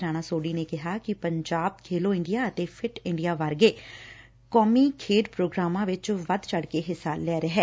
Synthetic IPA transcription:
ɾaːɽ̃aːsoːɖiːneːkɪɦaːkɪpəɲd͡ʒaːb̚kʰeːloːɪ̃ɳɖijaːət̪eːpʰɪʈɪ̃ɳɖijaːʋaɾɡeː | kɔːmiːkʰeːɖpɾoːɡɾaːmãːʋɪt͡ʃʋəd̪t͡ʃəɽkeːɦɪsaːllɛːɾɛɦɛː

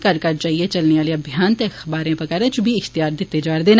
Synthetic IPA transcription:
kɐɾkɐɾt͡ʃaːɦiet͡ʃɐlneʋaːleɐbʱijaːnt̪exbaːɾẽpɐkɐɾɛ̃t͡ʃubʱiɪxt̪ijaːɾd̪ɪt̪ːed͡ʒaːɾd̪eːn

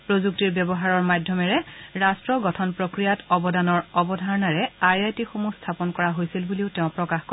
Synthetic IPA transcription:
pɹozuk̚tiɹbjɛbɔɦaɹɔɹmadʱjɔmɛɹɛɹastɹɔɡɔtʰɔnpɹokɹijatɔbɔdanɔɹɔbɔdʱaɹɔnaɹɛaɹajtixomustʰapɔnkɔɹaɦojsilbuliʊteʊ̃pɹɔkaxkɔ

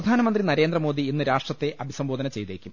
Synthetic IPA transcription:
ɐd̪ʱaːnɐmɐnd̪rinɐɾe̞ːnd̪rɐmo̞ːd̪iːnːɨɾaːʂʈrɐt̪ːe̞ʔɐbʱisɐmbo̞ːd̪ɐnɐt͡ɕe̞jt̪eːkʲːum

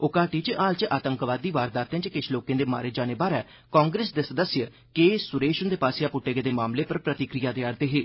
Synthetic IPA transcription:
ʊkaːʈiːt͡ʃʔaːlt͡ʃʔaːt̪əŋkʋaːd̪iːʋaːɾd̪aːt̪ẽːt͡ʃkɪʃʰloːkẽːd̪eːma̰ːɾeːd͡ʒaːneːbaːɾɛː | kãːŋɡɾeːsd̪eːsəd̪əsjə | keːsʊɾeːʃənd̪eːpaːsɪjaːpʊʈːeːɡeːd̪eːmaːmleːpəɾpɾət̪ɪkɾijaːd̪eːaːɾd̪eːɦeː

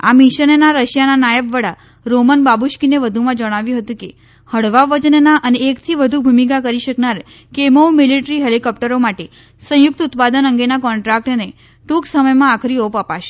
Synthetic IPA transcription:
a̰miʃənenaɾəʃjananajəbʋəɽa | ɾomənbabuʃkineʋəd̪ʱumãd͡ʒəɽ̃aʋjũɦət̪ũke | həɽʋaʋəd͡ʒənnaʔəneekt̪ʰiʋəd̪ʱubʱumik̬akəɾiʃəknaɾ | kemoʋmiliʈɾiɦelikɔp̚ʈəɾomaʈe | sə̃jʊk̚t̪ut̪pad̪ənəŋɡenakɔɳʈɾak̚ʈne | ʈuksəməjmãakʰɾiopəpaʃe̥

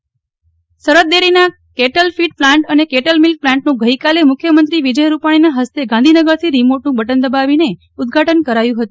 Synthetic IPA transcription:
səɾət̪̚d̪eɾina | keʈəlfiʈ̚plãɳʈənekeʈəlmilk̚plãɳʈnũɡəikalemʊkʰjəmənt̪ɾiʋid͡ʒəjɾupaɽ̃inaɦəst̪eɡãnd̪ʱinəɡəɾt̪ʰiɾimoʈnũbəʈənd̪əbaʋine | ud̪ɡʱaʈənkəɾajũɦət̪ũ

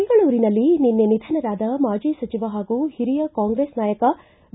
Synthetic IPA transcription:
ɡɐɭuːɾinɐlːininːenid̪ʱɐnɐɾaːd̪ɐmaːd͡ʒiːsɐt͡ʃiʋɐɦaːɡuhiɾijɐkaːŋɡɾeːsnaːjɐkɐ | b̪

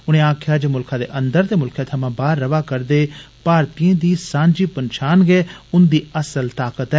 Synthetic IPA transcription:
ʊñẽːãːkʰjaːd͡ʒeːmʊlkʰãːd̪ḛːʔənd̪əɾt̪eːmʊlkʰjãːt̪ʰəmãːbaːɾːəʋaːkəɾd̪eː | paːɾt̪ijãːd̪iːsãːɲd͡ʒiːpənʃaːnɡɛːʊnd̪iːəsəlt̪aːkət̪ɛː

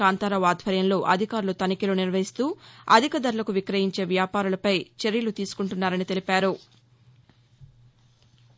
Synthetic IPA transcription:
aːnt̪ɐːɾɐʋaːd̪ʱʋɐɾjɐnlo̞ːʔɐd̪ʱikaːɾulut̪ɐnikiloːniɾʋɐɦist̪uːɐ̰d̪ʱikɐd̪ɐɾulɐkuʋikɾɐjiɲt͡ʃe̞ːʋjaːpaːɾulɐpɐjt͡ʃe̞ɾjɐlut̪iːsu̥kuɳʈunːaːɾɐnit̪e̞lipaːɾu

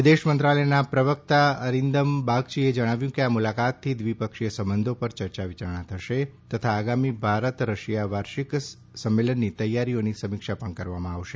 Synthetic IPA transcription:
id̪eʃmənt̪ɾalənapɾəʋək̚t̪aəɾind̪əmbaɡ̚t͡ʃied͡ʒəɽ̃aʋjũkeamulakat̪ʰːid̪ʋipəkʃijəsəmbənd̪ʱopəɾt͡ʃəɾt͡ʃaʋit͡ʃaɾɳ̃ãt̪ʰəʃet̪ət̪ʰaːɡamibʱaɾət̪ɾəʃijaʋaɾʃik | səmːelənːit̪əjːaɾionisəmikʃapəɳkəɾʋamãaʋʃe

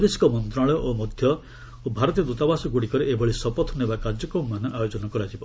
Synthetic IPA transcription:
d̪esi̥kɔmɔnt̪ɾaɭɔjɔʔomɔd̪ʱjɔ | obʱaɾɔt̪iɔd̪ut̪abasɔɡuɽikɔɾeʔebʱɔɭisɔpɔt̪ʰɔnebakaɾd͡ʒɔkɔmːanɔʔajod͡ʒɔnɔkɔɾad͡ʒibɔ

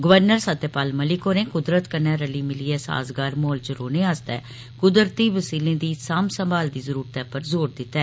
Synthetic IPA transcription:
ɡəʋəɾnəɾsət̪ːepaːlməlɪkɦoːɾẽːkʊd̪ɾət̪kənɛːɾəliːmɪliːɛːsa̰ːzɡaːɾmoːlt͡ʃəɾoːnẽːaːst̪ɛ̰ː | kʊd̪əɾt̪iːʋəsiːlẽːd̪iːsaːmsə̃mbaːld̪iːzəɾuːɾət̪ɛːpəɾzoːɾd̪ɪt̪ːɛː

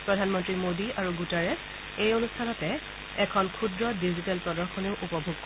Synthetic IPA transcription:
pɹɔdʱanmɔntɹimodiaɹuɡutaɹɛs | ejonustʰanɔtɛ | ɛkʰɔnkʰudɹɔdizitɛlpɹɔdɔɹkʰɔneʊʔupɔbʱuɡ̚kɔ

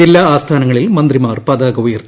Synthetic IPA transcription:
elːaːaːst̪ʰaːnɐŋːɐɭilmɐnd̪rimaːrpɐːd̪aːɡɐʋujɐrtt̪ːi

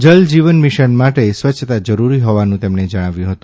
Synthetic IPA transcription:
d͡ʒəld͡ʒiʋənmiʃənmaʈesʋət͡ʃʰt̪ad͡ʒəɾuɾiɦoʋanũt̪emɳed͡ʒəɽ̃aʋjũɦət̪ũ

